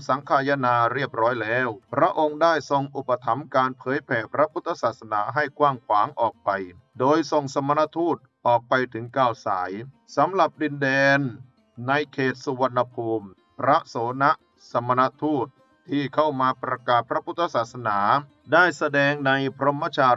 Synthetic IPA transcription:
sa˩˦ŋkʰaː˧ja˦˧˥naː˧ɾi˥˩əp̚ɾɔː˦˥jlɛː˦˥wpʰɾa˦˥ʔo˧ŋdaː˥˩jso˧ŋʔu˨˩pːa˧t̪ʰa˩˦mkaː˧npʰɤː˨˦jpʰɛː˨˩pʰɾa˦˥pʰu˦˥t̪ʰːa˧saː˨˩t̪̚sa˧naː˩˦ɦa˥˩jkwaː˥˩ŋkʰwaː˩˦ŋʔɔː˨˩k̚pa˧j | doː˧jso˨˩ŋsa˧mːa˧na˦˧˥t̪ʰuː˥˩t̪̚ʔɔː˨˩k̚pa˧jt̪ʰɯ˩˦ŋkaː˧˥˩wsaː˩˦j | sa˨˦mɾa˨˩p̚di˧ndɛː˧nː | a˧jkʰeː˨˩t̪̚su˧wa˧nːa˧pʰuː˧m | pɾa˦˥ʔsoː˩˦na˦˥ʔ | sa˧mːa˧na˦˥t̪ʰuː˥˩t̪̚ʰːiː˥˩kʰa˥˩wmaː˧pɾa˧kaː˨˩t̪̚pʰɾa˦˥pʰu˦˥t̪ʰːa˧saː˨˩t̪̚sa˧naː˩˦ | daː˥˩jsa˧dɛː˧ŋna˧jpʰɾo˦˥mːa˦˥t͡ɕʰaː˧

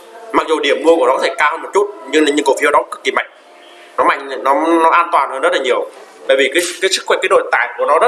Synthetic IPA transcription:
ma˨˩k̚zu˨˩ɗi˧˩əmːu˧əku˧˩nɔ˨˦kɔ˨˧t̪ʰe˧˩kaː˧whəː˧mo˨˩t̚t͡ɕu˦˥t̚ɲɨ˧ŋlaː˨˩ɲɨ̰˧˨ŋko˨˩fi˧ə˧wɗɔ˨˦kkːi˨˩ma̰˧˨jŋ̟ | nɔ˨˦ma̰˧˨jŋ˨nɔ˨˦nɔ˨˦ʔaː˧nt̪waː˨˩nhəː˧nzə˦˥t̚laː˨˩ɲi˨˩əwt̪a̰˧˨jvi˨˩kaː˨˦jkaː˨˦jsɨ˦˥kxwɛ˧˩kaː˨˦ɗo̰˧˨t̪a̰ː˧˨˩jku˧˩ənɔ˨˦ə˦

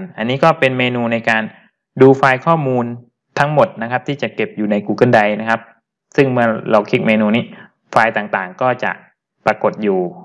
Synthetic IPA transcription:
nʔa˧nːiː˦˥kɔː˥˩pe˧nmeː˧nuː˧na˧jkaː˧n | duː˧faː˧jkʰɔː˥˩muː˧n | t̪ʰa˦˥ŋmo˨˩t̪̚na˦˥kʰa˦˥p̚t̪ʰiː˥˩t͡ɕa˨˩ke˨˩p̚juː˨˩na˧jkuː˧˩kʰɯ˥˩nda˧jna˦˥kʰa˦˥p̚ | sɯ˥˩ŋmɯ˥˩ɐla˧wkʰi˦˥k̚meː˧nuː˧niː˦˥˩ | faː˧jt̪aː˨˩ŋt̪aː˨˩ŋkɔː˥˩t͡ɕa̰˨˩ʔ | pɾa˧ko˨˩t̪̚juː˨˩

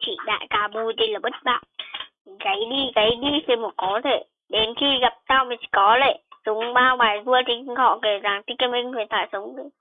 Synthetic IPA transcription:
t͡ɕḭ˧˨ɗa̰ː˧˨jkaː˨˦ɓu˧t̪ə˧jlaː˨˩ɓə˦˥t̚ɓa̰ː˧˨n | ɣə˨˦jɗi˧ɣə˨˦jɗi˧se˧˩mo˨˩kɔ˨˦t̪ʰe˧˩ | ɗe˨˦nxi˧ɣa˨˩p̚t̪aː˧wma˨˩t͡ɕi˧˨kɔ˨˦le˧˩sʊ˨˦ŋ͡mɓaː˧wɓaː˨˩jzu˧ət͡ɕi˨˧˦ŋ˧hɔ̰˧˨ke˧˩zaː˨˩ŋt̪i˧˦kːmi˧ŋ̟vʰɨ˨˩t̪ʰaː˧˩jsə˨˦wŋ͡mɗɨ˧˦

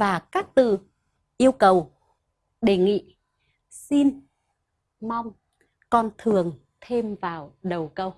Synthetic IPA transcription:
vaː˨˩kaː˦˥k̚t̪ɨ̰˧˨ | ʔi˧əwkə˨˩w | ɗe˧˩ŋḭ˧˨ | si˧n | ma˧wŋ͡m | kɔ˧nt̪ʰɨ˨˩əŋ | t̪ʰe˧mvaː˨˩wɗə˨˩wkə˧w

